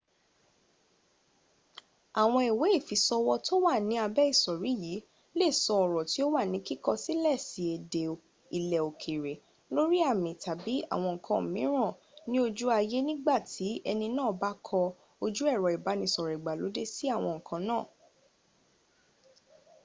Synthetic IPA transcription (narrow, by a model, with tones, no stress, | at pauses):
a˨w̃ɔ̃˧i˨we˨˦i˦˨fi˨sɔ˧wɔ˧to˦wa˦˨nĩ˨˦a˧bɛ˦i˦˨sɔ˨ɾi˨˦jiː˨˦ | le˦˨sɔ˧ɔ˨ɾɔ˨ti˨˦o˦wa˦˨nĩ˨˦ki˦kɔ˦si˦lɛ˦˨si˨˦e˨de˨ | i˨lɛ˨o˨kʰe˨ɾe˨ | lo˦ɾi˦a˦˨mĩ˨ta˨bi˨˦a̰˦˨w̃ɔ̃˧ŋ̩˨kʰã˧m̩˨mĩ˨˦ɾ̃ã˦˨ | nĩ˦o˧d͡ʒu˦a˧je˦nĩ˦ɡ͡ba˦˨tʰi˨˦ɛ˧nĩ˧nãː˦˨˦ba˦kʰɔ˧ | o˧d͡ʒu˦ɛ˦˨ɾɔ˨i˨ba˨˦nĩ˧sɔ˨ɾɛ˨i˨ɡ͡ba˨lo˨˦de˦si˦a˦˨w̃ɔ̃˧ŋ̩˨kʰã˧nãː˦˨